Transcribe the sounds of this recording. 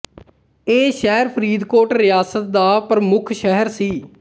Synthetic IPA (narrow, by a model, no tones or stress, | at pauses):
eːʃɛːɾpʰəɾiːd̪koːʈɾɪjaːsət̪̚d̪aːpɾəmʊkʰʃɛɦəɾsiː